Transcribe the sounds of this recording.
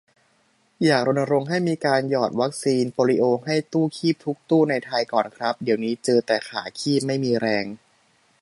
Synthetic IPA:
jaː˨˩k̚ɾo˧na˧ɾo˧ŋɦa˥˩jmiː˧kaː˧njɔː˨˩t̪̚wa˦˥k̚siː˧npɔː˧ɾi˦˥ʔoː˧ŋɦa˥˩jt̪uː˥˩kʰiː˥˩p̚t̪ʰu˦˥k̚t̪uː˥˩na˧jt̪ʰa˧jkɔː˨˩nkʰɾa˦˥p̚di˩˦wniː˦˥t͡ɕɤː˧t̪ɛː˨˩xʰa̰ː˩˦kʰiː˥˩p̚ma˥˩jmiː˧ɾɛː˧ŋ

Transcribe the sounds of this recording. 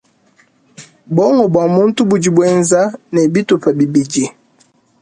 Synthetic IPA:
bɔ˦ŋɔ˨bwa˨mu˦n̩˦tu˦bu˨d͡ʒi˨bwɛ˦nza˦nɛ˨bi˦tu˨pa˨bi˨bi˨d͡ʒi˨

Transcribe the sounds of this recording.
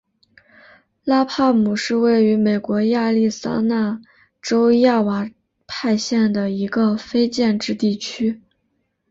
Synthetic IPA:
la˥pʰa˥˩mu˨˩ʂɻ̩˥˧we˥˩ɪy˧˥me˨˩ɪkwɔ˧˥ja˥˧li˥˩sa̰˥na˥˩ | ʈ͡ʂo˥ʊja˥˩wa˨˩ | pʰa˥˧ɪɕjɛ˥˩nd̪ə˩i˧˥ɡə˧fe˥ɪt͡ɕjɛ˥˧nʈ͡ʂɻ̩˥˧t̪i˥˩t͡ɕʰy˥

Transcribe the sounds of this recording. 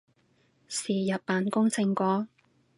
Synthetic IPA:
siː˨jɐ˨t̚pːaː˨nkʊ˥ŋt͡sɪ˧ŋkʷɔː˨˥

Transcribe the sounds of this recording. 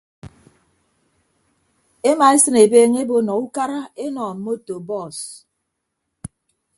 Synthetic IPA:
e˦ma˨e˦sɨ˦ne˨beː˦ŋe˦bo˦nɔ˨u˦ka˦ɾa˦e˦nɔ˨m̩˨mo˦to˨bɔ˦˨s

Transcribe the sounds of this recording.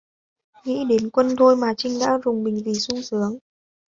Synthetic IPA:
ŋḭ˧˥ɗe˨˦nkwə˧nt̪ʰo˧jmaː˨˩t͡ɕï˧ŋ̟ɗa̰ː˧˥zʊ˨˩ŋ͡mɓï˨˩ŋ̟vi˨˩sʊ˧ŋ͡msɨ˨˦əŋ

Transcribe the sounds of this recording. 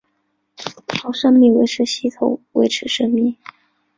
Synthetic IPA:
tʰɑ˧˥ʊʂə˥ŋmi˥˩ŋwe˧˥ɪʈ͡ʂʰɻ̩˧˥ɕi˥t̪ʰʊ̰˧˥˦ŋwe˧˥ɪʈ͡ʂʰɻ̩˧˥ʂɤ˥ŋmi˥˩ŋ

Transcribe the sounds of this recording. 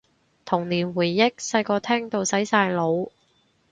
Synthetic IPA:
t̪ʰʊ˨˩ŋliː˨˩nwuː˨˩jːɪ˥k̚sɐ˧jkɔː˧t̪ʰɛː˥ŋt̪o˨˧wsɐ˨˥jsaː˧jlo˨˧w

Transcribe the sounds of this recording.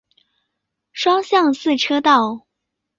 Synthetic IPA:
ʂwɑ˥ŋɕjɑ˥˧ŋsɹ̩˥˩ʈ͡ʂʰɤ˥t̪ɑ˥˩ʊ

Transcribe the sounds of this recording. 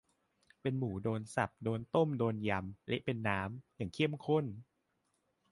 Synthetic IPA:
pe˧nmuː˩˦doː˧nsa˨˩p̚doː˧nt̪o˥˩mdoː˧nja˧mlɛ̰˦˥ʔpe˧nːaː˦˥mjaː˨˩ŋkʰi˥˩əmkʰo˥˩n

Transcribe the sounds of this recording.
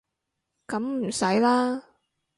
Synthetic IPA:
kɐ˨˥mm̩˨˩sɐ˨˥jlaː˥

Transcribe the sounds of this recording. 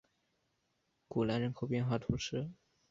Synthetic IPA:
ku˨˩la˧˥nɻə˧˥nkʰo˨˩ʊpjɛ˥˧nxwa˥˩t̪ʰu˧˥ʂʰɻ̩˥˩

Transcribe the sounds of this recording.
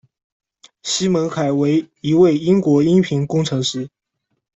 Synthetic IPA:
ɕi˥mə˧˥nxa˨˩ɪwe˧˥ɪi˧˥we˥˩ɪi˥ŋkwɔ˧˥i˥npʰi˧˥ŋkʊ˥ŋʈ͡ʂʰɤ˧˥ŋʂɻ̩˥

